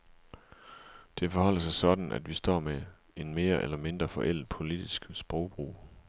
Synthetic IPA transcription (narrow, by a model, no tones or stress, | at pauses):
d̥e̝fɒ̽hɒ̽l̰əsɑ̈ɪsɒ̽d̥n̩ʔæ̰d̥ʋisd̥ɒ̰ːme | e̝nme̝ːɐʔelɐme̝nd̥ʁɐfɒ̽ʔel̰d̥̚pʰo̝lid̥isɡ̥sb̥ʁɒʊb̥ʁṵː